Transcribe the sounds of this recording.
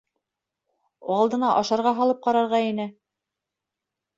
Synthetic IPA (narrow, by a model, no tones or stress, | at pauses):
ɑlˠd̪ɤ̆nɑʔɑʃɑɾʁɑɦɑlˠɤp̚qɑɾɑɾʁɑinɘ